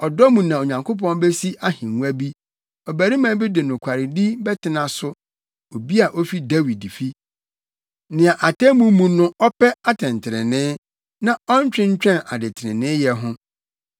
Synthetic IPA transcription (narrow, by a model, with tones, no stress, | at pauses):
ɔ˨dɔ˦mũ˨nã˨o˨ɲã˨ŋkʰo˦pɔ̃˦n˦bɛ˦si˦ʔa˦hɪ̃˨ŋu˦æ˦bi˦ | ɔ˨bæ˨ɾi˦mã˦bɪ˦dɪ˨nʊ̃˨kʷʰa˨ɾɪ˨di˦bɛ˦tʰɪ˦nã˨sʊ˦ | o˨bi˦a˨ʔɔ˦fi˦da˦wi˨di˨fi˦ | nɪ̃˨a˨ʔa˨tɛ˦mũ˦mũ˦nʊ̃˦ʔɔ˦pʰɛ˦a˦tʰɛ̃˨ntʰɪ˨ɾɪ̰̃˨nɪ̃˦ | nã˨ɔ˦ɲ˦t͡ɕᶣɪ̃˦ɲ̩˦t͡ɕᶣɛ̃˦na̰˨dɪ˨tʰɪ˨ɾɪ̰̃˨nɪ̃˦jɛ˦ɦʊ̃˦